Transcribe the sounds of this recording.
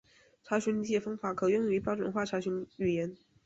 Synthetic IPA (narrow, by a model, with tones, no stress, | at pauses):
ʈ͡ʂʰa˧˥ɕy˧˥nli˧˥t͡ɕjɛ˥˩fɑ˥ŋfa˧˥kʰɤ˨˩jʊ˥˩ŋy˧˥pjɑ˥ʊʈ͡ʂə˨˩˦nxwa˥˩ʈ͡ʂʰa˧˥ɕy˧˥nly˨˩jɛ˧˥n